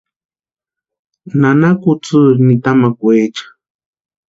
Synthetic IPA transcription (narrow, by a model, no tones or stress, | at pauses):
nanakut͡sɨnit̪amakʷeːt͡ʃḁ